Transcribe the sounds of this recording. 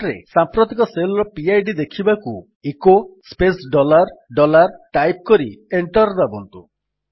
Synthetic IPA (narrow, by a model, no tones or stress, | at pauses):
ɾḛsampɾot̪ikɔselɔɾɔpiajɖid̪ekʰibaku | ikospesɖɔlaɾɖɔlaɾʈajp̚kɔɾieɳʈɔɾd̪abɔnt̪u